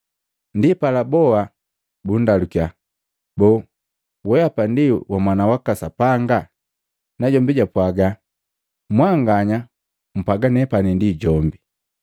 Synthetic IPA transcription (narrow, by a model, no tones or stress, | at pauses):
ndipalabɔa | bundalukia | bɔ | wɛjapandiwamwanawakasapaŋɡa | naɟɔmbiɟapwaɡa | mwaŋɡaɲa | m̩paɡanɛpanindiɟɔmbi